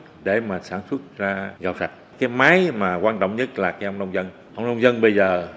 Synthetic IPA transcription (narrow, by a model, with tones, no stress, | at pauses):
ɗe˧˩maː˨˩saː˧˩nswə˦˥t̚zaː˧ɣa̰˨˩wsa˨˩t̚kaː˨˦jmaː˨˦jmaː˨˩kwaː˧nt͡ɕɔ̰˧˨wŋ͡mɲə˦˥t̚laː˨˩ka˨˦jʔə˧wŋ͡mnɗə˧wŋ͡mzə˧n | ʔə˧wŋ͡mnə˧wŋ͡mzə˧nɓə˧jzəː˨˩